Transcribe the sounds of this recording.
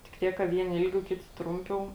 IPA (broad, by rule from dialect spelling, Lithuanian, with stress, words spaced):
tʲɪk ˈtʲiɛk kɐ ˈʋʲiɛnʲɪ ˈɪlʲˌɡʲɛʊ ˈkʲɪtʲɪ ˈtrʊmʲˌpʲɛʊ